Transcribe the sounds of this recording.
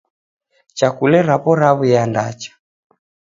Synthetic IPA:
t͡ʃakulɛɾapɔɾaβujandat͡ʃḁ

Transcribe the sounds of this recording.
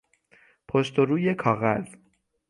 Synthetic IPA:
pʰost̪o̞ɾuːje̞kʰɒːɣæz

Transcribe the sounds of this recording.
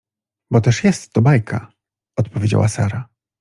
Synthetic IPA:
bɔt̪ɛʂjɛst̪ːɔbajkʰa̰ | ɔt̪pɔvʲjed͡ʑa̰wʔasaɾa

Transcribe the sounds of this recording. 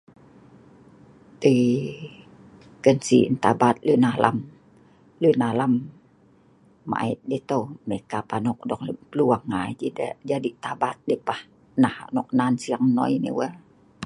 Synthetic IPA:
t̪ə | kənsḭnt̪abat̪̚lunalʔa̰m | lunalam | a̰ʔit̪̚det̪omekapanɔk̚dɔkpəluwaŋːad͡ʒidə̰ʔd͡ʒadit̪abat̪̚depah | nahaʔnɔk̚nansiaŋnɔ̰jnḭwəl

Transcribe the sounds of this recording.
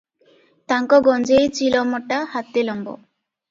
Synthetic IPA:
t̪aŋkɔɡɔnd͡ʑejt͡ɕilɔmɔʈːahat̪ːelɔmbɔ̰

